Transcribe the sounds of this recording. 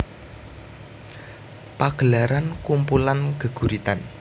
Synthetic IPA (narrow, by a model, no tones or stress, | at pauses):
paɡ̥ə̤laɾankumpulanɡ̥ə̤ɡ̥ṳɾit̪an